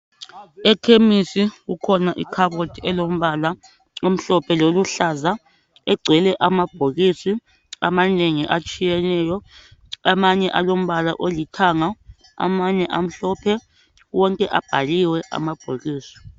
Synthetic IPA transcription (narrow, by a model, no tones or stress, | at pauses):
ɛkʰemisiɣukʰɔnaʔikʰaβotʰiɛlom̩βala | om̩ɬɔpʰɛloluɬaza | ɛɡ͡ǀʱɛlɛʔamab̥ʱoɣisi | a̰maneŋiʔat͡ʃʼijɛnɛːjɔamaɲɛʔalom̩βala̰ʔolitʰaŋa | a̰maɲɛʔam̩ɬɔpʰɛ | wɔŋkʼɛʔab̥ʱaliwɛʔa̰mab̥ʱoɣiːsi̥